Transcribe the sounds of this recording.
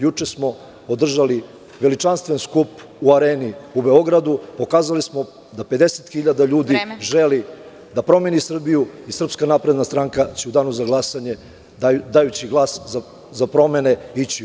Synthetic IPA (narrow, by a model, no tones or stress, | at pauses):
jut͡ʂe̞smo̞ | od̪r̩ʒali | ʋe̞lit͡ʃanst̪ʋe̞nskup | uaɾeːniube̞o̞ɡɾad̪upo̞kaːzalismo̞ | d̪ape̞d̪e̞set̪xiʎad̪aʎuːd̪iʒeli | d̪apɾo̞me̞nisr̩bijuisr̩pskanapɾe̞d̪nast̪ɾaŋkat͡ɕeud̪aːnuzaɡlˠasaɲe | d̪ajut͡ɕiɡlˠaːsza | zapɾo̞me̞ne̞it͡ɕi